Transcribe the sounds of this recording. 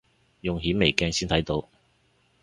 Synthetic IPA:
jʊ˨ŋɦiː˨˥nme˨˩jkɛː˧ŋsiː˥nt̪ʰɐ˨˥jt̪o˨˥w

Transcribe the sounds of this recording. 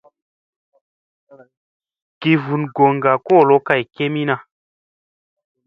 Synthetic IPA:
ɡ̥i˨vu˨nɡo˨ŋ˨ɡa˨koː˦˨lo˦ka˧jke˦mi˦na˧

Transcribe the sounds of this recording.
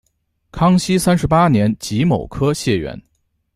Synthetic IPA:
kʰɑ˥ŋɕi˥sa˥nʂɻ̩˧˥pa˥njɛ˧˥nt͡ɕi˧˥mo˨˩ʊkʰɤ˥ɕjɛ˥˩ɥɛ̰˧˥n

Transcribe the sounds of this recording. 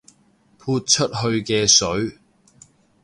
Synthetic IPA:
pʰuː˧t̚t͡ʃʰɵ˥t̚ɦɵ˧ɥkɛː˧sɵ˨˥ɥ

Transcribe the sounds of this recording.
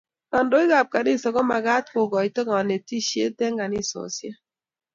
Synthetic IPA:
nɔ˨ndo˦i˦ɣa˨p̚ka˨ni˦˨sɔ˨ɣɔ˦ma˨ɡa˦t̚ko˨ɡɔ˨i˨tɔ˦ŋɔ˨ne˨ti˦˨ʃḛ˦tɛ˦ŋɡa˨ni˦˨sɔ̰˨sja˦

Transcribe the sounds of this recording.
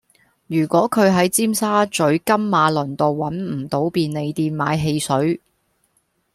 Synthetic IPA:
jyː˨˩kʷɔː˨˥kʰɵ˨˧ɥɦɐ˨˥jt͡siː˥msaː˥t͡sɵ˨˥ɥkɐ˥mːaː˨˧lɵ˨˩nt̪o˨wwɐ˨˥nm̩˨˩t̪o˨˥wpiː˧nle˨˧jt̪iː˧nmaː˨˧jɦe˧jsɵ˨˥ɥ

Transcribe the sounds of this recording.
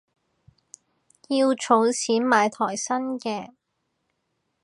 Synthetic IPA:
jiː˧wt͡sʰo˨˥wsʰiː˨˥nmaː˨˧jt̪ʰɔː˨˩jsɐ˥nkɛː˧

